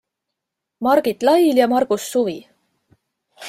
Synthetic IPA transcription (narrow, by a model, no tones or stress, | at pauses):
mɑɾɡ̥it̪lɑjljɑmɑrɡ̥usːuvi